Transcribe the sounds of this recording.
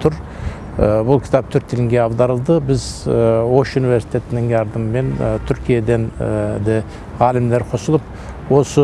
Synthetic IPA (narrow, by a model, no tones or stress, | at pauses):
t̪ʰʊɾ | əbʊlˠkʲʰɪ̥t̪ʰɑp̚t̪ʰʏɾt̪ːelɪŋɡʲe̞ɑbd̪ɑɾəlˠd̪əbɪzwo̞ʃunivʲe̞ɾsi̥t̪ʰe̞t̪ɪnɪŋjɑɾd̪əməme̞nt̪ʰʏɾkʲʰijed̪e̞nd̪e | ʁɑːlɪmleɾqʰosəlˠəp | wo̞sə